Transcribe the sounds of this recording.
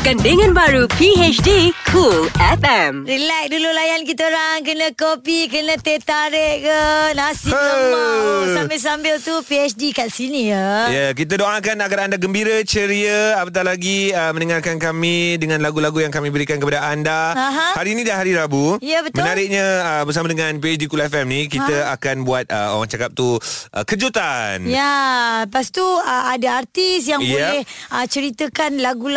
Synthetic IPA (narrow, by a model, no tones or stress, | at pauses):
kandəŋãnbaɾupiet͡ʃdikʰulɛfɛmrilak̚dululajankit̪əɾaŋkənakopikənãt̪et̪aɾɛʔkənasiə | sampɪls̬ambɪlt̪upiɛt͡ʃdikaʔsinijəjəkit̪̬ədoʔakanaɡaɾandaɡəmbiɾət͡ʃəɾiəapat̪̬alaɡiəmə̃nəŋarkankamidəŋãnlaɡulaɡujaŋkamĩbəɾikankəpadaandaãɦãhaɾinidaɦaɾiɾabuijəbət̪mənaɾɪk̚ɲãəbəɾs̬amadəŋãnpiɛt͡ʃdikulaɛfɛmnikit̪əakanbuat̪̚əo̰ɾaŋt͡ʃakap̚t̪uʔə̰kəd͡ʒut̪anjapast̪uəadaart̪isjaŋjboəlɛhət͡ʃəɾit̪əkanlaɡul